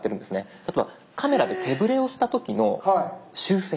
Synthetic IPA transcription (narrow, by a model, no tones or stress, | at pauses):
e̞ɾɯ̃nd̪esɨne̞t̪at̪oea | kʰame̞ɾad̪e̞t̪ʰe̞bɯ̟ɾe̞o̞ɕi̥t̪at̪o̞kʲino̞̰haɕɨːse